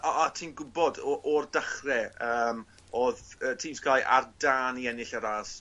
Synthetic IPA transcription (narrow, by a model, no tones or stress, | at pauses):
ɔʔatʰiːnɡʊbɔdɔʔɔrdaχrɛəːm | ɔːðəːtʰiːmskʰaːjʔa̰rdaːniɛnɪɬaɾas